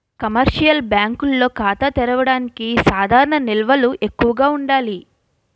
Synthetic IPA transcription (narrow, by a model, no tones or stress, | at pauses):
kɐmɐɾʂijɐlbjaːŋkulːo̞ːkaːt̪ɐt̪ɛɾɐʋɐɽaːnikisaːd̪ʱaːɾɐɳɐnilʋɐluʔe̞kːuʋɐɡaːuɳɖaːli